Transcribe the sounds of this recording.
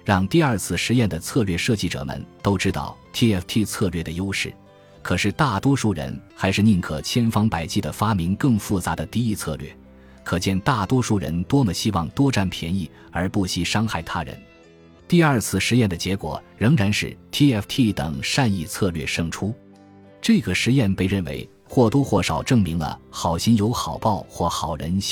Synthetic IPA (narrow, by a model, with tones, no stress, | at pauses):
ɻɑ˥˧ŋt̪i˥˧ɐ˞˥˧t͡sʰɹ̩˥˩ʂɻ̩˧˥jɛ˥˩nd̪ə˩t͡sʰɤ˥˧lɥɛ˥˧ʂɤ˥˧t͡ɕi˥˩ʈ͡ʂɤ̰˨˩mə̰˩˦nt̪o˥ʊʈ͡ʂɻ̩˥t̪ɑ̰˥˩ʊt̪ʰi˥ɛ˥˩ft̪ʰi˥˧t͡sʰɤ˥˧lɥɛ˥˩d̪ə˩jo˥ʊʂɻ̩˥˩ | kʰɤ˨˩ʂɻ̩˥˧t̪a˥˩t̪wɔ˥ʂu˥˩ɻə̰˧˥nxa˧˥ɪʂɻ̩˥˧ni˥˩ŋkʰɤ˨˩t͡ɕʰjɛ˥nfɑ˥ŋpa˨˩ɪt͡ɕi˥˩d̪ə˩fa˥mi˧˥ŋkɤ˥˧ŋfu˥˩t͡sa˧˥d̪ə˧t̪i˥˧i˥˧t͡sʰɤ̰˥˧lɥɛ̰˥˩ | kʰɤ˨˩t͡ɕjɛ˥˧nt̪a˥˩t̪wɔ˥ʂu˥˩ɻə̰˧˥nt̪wɔ˥mə˨˩ɕi˥wɑ˥˩ŋt̪wɔ˥ʈ͡ʂa˥npʰjɛ˧˥ni˥˩ | ə˞˧˥pu˥˩ɕi˧˥ʂɑ˥ŋxa˥˩ɪt̪ʰa˥ɻə̰˧˥n | t̪i˥˧ə˞˥˧t͡sʰɹ̩˥˩ʂɻ̩˧˥jɛ˥˩nd̪ə˩t͡ɕjɛ˧˥kwɔ̰˨˩ | ɻɤ˧˥ŋɻa˧˥nʂɻ̩˥˩t̪ʰi˥ɛ˥˩ft̪ʰi˥˩t̪ɤ̰˨˩ŋʂa˥˧ni˥˧t͡sʰɤ˥˧lɥɛ˥˧˩ʂɤ˥˩ŋʈ͡ʂʰu˥ | ʈ͡ʂɤ˥˩ɡə˩ʂɻ̩˧˥jɛ˥˩npe˥˧ɪɻə˥˩nwḛ˧˥ɪ | xwɔ˥˩t̪wɔ˥xwɔ˥˩ʂɑ˨˩ʊʈ͡ʂɤ˥˩ŋmi˧˥ŋlə̰˧xɑ˨˩ʊɕi˥njo˧˥ʊxɑ˨˩ʊpɑ˥˧ʊxwɔ˥˩xɑ˨˩ʊɻə̰˧˥n˥